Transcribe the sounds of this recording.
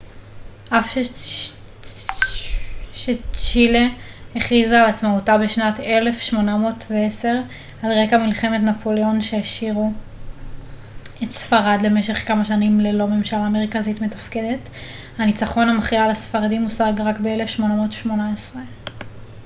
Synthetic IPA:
ʔafʃe | ʃet͡ʃile | eχizaːlat͡smautabeʃnate̞le̞fʃmo̞namo̞ːtveese̞ʁ | alʁekamilχe̞me̞tnapʰo̞leo̞nʃejaʃiʁu | etsfaʁadle̞me̞ʃe̞χkamaʃanimlelo̞me̞mʃalaːmeʁkazitme̞tafkede̞t | hanit͡saχo̞namaχialasfaʁadimusaɡʁakbeelefʃmo̞namo̞ːtʃmo̞naesʁe

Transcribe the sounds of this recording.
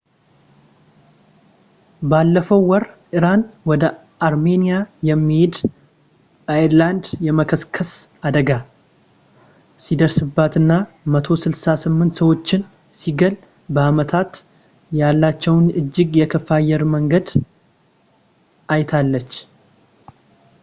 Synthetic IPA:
balːəfəwːɔɾʔɨɾanwɔd̪ə | ʔaɾme̞nijajɛmːihed̪ | bəiɾland̪jɛməkʰəskʰəsad̪əɡa | sid̪əɾsɨbːat̪ɨnːa | mət̪ʰo̞sɨlsasɨmːɨnt̪səwo̞t͡ʃːɪn | siɡəl | bəamət̪ʰat̪ | jalːat͡ʃːɛwnɨd͡ʒːɪɡjɛkʰəfajːɛɾməŋɡəd̪ | ʔajt̪ʰalːət͡ʃː

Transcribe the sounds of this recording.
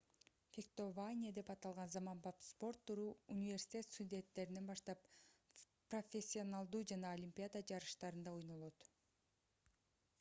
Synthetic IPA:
fʲekt̪ovanʲiad̪e̞pɑt̪ɑlˠʁɑnzɑmɑmbɑpspo̞rt̪ːuɾuːunʲivʲe̞rsʲi̥t̪ʲe̞t̪st̪udʲe̞nt̪ːe̞ɾine̞nbɑʃt̪ɑp̚ | pro̞fʲesʲːionalˠd̪uːd͡ʒɑnɑolʲimʲpʲɪjad̪ad͡ʒɑɾɯʃt̪ɑɾɯnd̪ɑojno̞lˠo̞t̪

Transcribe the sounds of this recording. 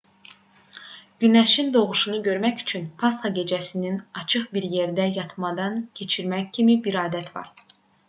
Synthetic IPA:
ɟ̥ynæʃind̪o̞ʁuʃunuɟø̞ɾmæçy̥t͡ʃʰynpʰɑsχɑɟe̞d͡ʒæsininɑt͡ʃʰɯχbiɾje̞ɾd̪æjɑt̪ʰmɑd̪ɑncʰe̞t͡ʃʰiɾmæccʰimibiɾɑːd̪æt̪ʰvɑ̰ɾ

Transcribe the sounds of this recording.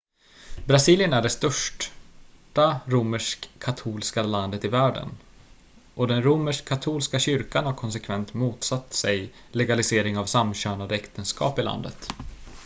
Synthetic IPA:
bɾasiːlɪjənæɖɛst̪œʂʈ | ʈaɾuməʂkʰːat̪ʰuːlskaland̪ət̪ɪvæːɖə̰n | ʔɔd̪ɛnɾuməʂkʰːat̪ʰuːlskaɕʏɾkanhaɾkʰɔns̬ɛkʰvɛnt̪muːt̪sat̪ːsɛj | lɛɡalɪseːɾɪŋavsamɕøːnad̪əɛkt̪ənskɑ̰ːpɪla̰nd̪ə̰t̪

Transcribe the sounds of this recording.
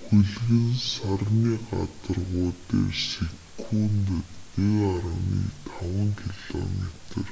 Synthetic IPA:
xɵɮɣɘ̆nsarniːɢa̰t̪ə̆rʁʊːt̪eːsikʰuːnt̪ət̪eɣaɾəniːt̪ʰawə̆nt̪ʰɪɮ̥ɔmet̪ə̆r

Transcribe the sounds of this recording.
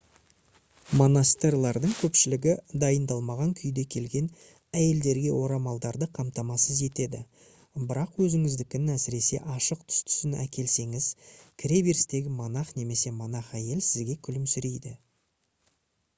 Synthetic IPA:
mo̞nast̪erlˠɑɾd̪əɴkʲʰɵpʃɪlɪɡʲɪd̪ɑjənd̪ɑlˠmɑʁɑŋkʲʰʏjd̪e̞kʲʰe̞lɡʲe̞n | æje̞ld̪e̞ɾɡʲe̞wo̞ɾɑmɑlˠd̪ɑɾd̪əqʰɑmt̪ɑmɑsəze̞t̪e̞d̪ɪ | bɪɾɑqwɵzɪŋɪzd̪ɪkʲɪnɪnæsɪɾe̞se̞̰ʔɑʃəq̚t̪ʰʏ̥st̪ʰʏ̥sɪnæ̰kʲʰe̞lse̞ŋɪzkʲʰɾe̞beɾst̪e̞ɡʲɪmonɑχne̞me̞se̞monɑχæje̞lsɪzɡʲe̞kʲʰʏlɪmsʏɾe̞jd̪ɪ

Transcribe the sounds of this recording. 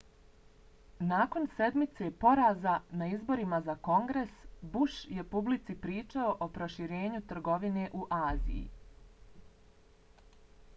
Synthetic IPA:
naːko̞nse̞d̪mit̪se̞po̞ɾaːzanaizbo̞ɾimazako̞ŋɡɾesbuʃje̞publit̪sipɾiːt͡ʃaoʔopɾo̞ʃiɾe̞ːɲut̪r̩ɡo̞ʋine̞ʔuʔaːzḭjḭ

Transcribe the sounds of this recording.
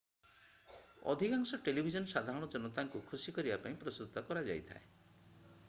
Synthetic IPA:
ɔ̰d̪ʱikaŋsɔʈelibʱid͡ʒɔnɔsad̪ʱaɾɔɽ̃ɔd͡ʒɔnɔt̪aŋkukʰusikɔɾibapaĩpɾɔst̪ut̪ːɔkɔɾad͡ʒa̰jt̪ʰa̰e

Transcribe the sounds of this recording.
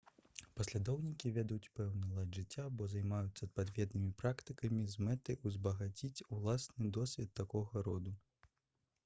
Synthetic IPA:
pɐsʲlʲad̪ɔwnʲikʲivʲɛd̪jut͡sʲpɛwnɐlˠadʐɨt͡sʲːabɔzɐjmajut̪sːɐpad̪vʲɛd̪nɨmʲipɾakt̪ɨkɐmʲizmɛt̪ɨjʔuzbɐɣat͡sʲit͡sʲulˠasnɨd̪ɔsʲvʲɛt̪ːakɔɣɐɾɔd̪u

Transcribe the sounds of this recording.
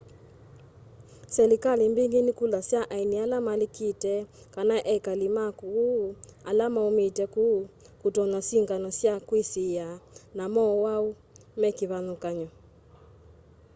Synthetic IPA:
sɛlikalimbiŋɡenikulasjaʔainialamalikitɛ | kanaʔɛkalimakualamaumitɛku | kutɔɲasiŋɡanɔsjakwisijanamɔwau | mɛkiβanukaɲɔ

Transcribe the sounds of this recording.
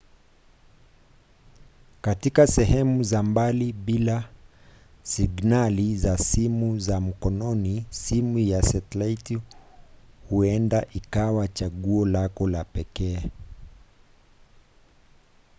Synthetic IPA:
katikasɛɦɛmuzambaliɓila | siɡnalizasimuzam̩kɔnɔnisimujasɛtlaiti | huɛndaʔikawat͡ʃaɠuɔlakɔlapɛkɛː

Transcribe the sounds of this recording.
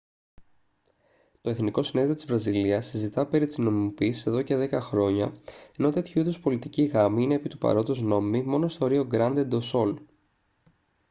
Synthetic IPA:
t̪o̞eθniko̞sineðio̞t̪izvɾɐziliɐsizit̪ɐpe̞ɾit̪izno̞mimo̞piːsise̞ðo̞ce̞ðe̞kɐxɾo̞ɲɐeno̞t̪e̞t̪çuiðo̞spo̞lit̪iciɣɐmiine̞ːpit̪upɐ̰ɾo̞t̪ozno̞mimimo̞no̞st̪o̞ːɾio̞ɡɾɐnd̪ed̪o̞so̞l

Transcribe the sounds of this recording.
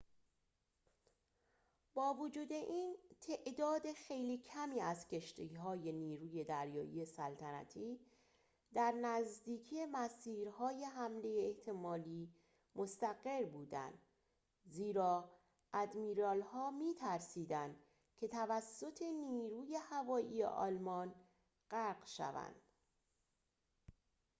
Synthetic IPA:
bɒːvod͡ʒuːd̪e̞ʔiːnt̪ʰe̞ʔd̪ɒːd̪e̞xe̞jliːcʰæmiːæzcʰe̞ʃt̪ʰiɦɒːje̞niːɾuːje̞d̪æɾjɒ̰ːʔḭjesælt̪ʰænæ̰t̪ʰiː | d̪æɾnæzd̪iːcʰiːje̞mæsiːɾɦɒːjeɦæmle̞jeːht̪ʰe̞mɒːliː | mʔost̪æɡe̞ɾbuːd̪æ̰nd̪̥ | ziːɾɒː | ʔæd̪miːɾɒːlhɒːmiːt̪ʰæɾsiːd̪ænd̪ | cʰe̞t̪ʰævæsːo̞t̪ʰe̞niːɾuːje̞hævɒːʔḭːjḛʔɒ̰ːlmɒːn | ɢ̥æɾɢʃæ̰væ̰nd̪̥

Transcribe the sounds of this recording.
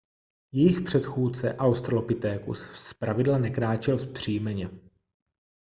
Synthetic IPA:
jɛjɪxpr̥ɛt̪xuːt͡sɛ̰ʔawst̪ɾlopɪt̪ɛːkṵsːpɾavɪdlanɛkɾaːt͡ʃɛlspr̝̥iːmɛɲɛ

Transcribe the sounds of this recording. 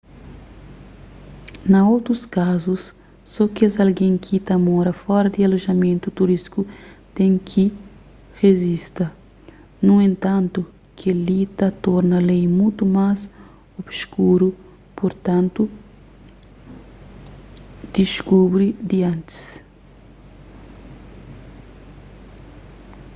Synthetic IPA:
nɐowt̪ɾuskazusː | ɔkiɐzɐlɡẽŋkʰit̪ɐmɔɾɐfɔɾɐd̪iɐloʒɐmẽnt̪ut̪uɾiskut̪ẽŋkʰi | ʁezist̪ɐ | nũẽnt̪ãnt̪u | kʰealit̪ɐt̪ɔɾnɐlejmũt̪umaz | obskuɾu | poɾt̪ãnt̪u | d̪̥iʃkubɾid̪iãnt̪i̥s

